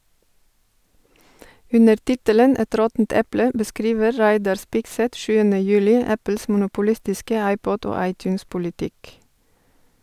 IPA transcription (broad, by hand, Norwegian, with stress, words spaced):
ˈʉnəɾ ˈtɪtələn ˈɛt ˈɾɔtn̩t ˈɛplə bəˈskɾiːʋə ˈɹæɪdɑɹ ˈspɪɡsɛt ˈʃʉːənə ˈjʉːlɪ ˈæpl̩s mʊnʊpʊˈlɪstɪskə ˈɑɪpɔd ˈoː ˈɑɪˌtjʉːnspʊlɪˌtɪk